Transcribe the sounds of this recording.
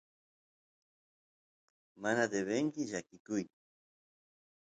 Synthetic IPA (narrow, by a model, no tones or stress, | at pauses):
manad̪eβeŋkɪʎakɪkʊj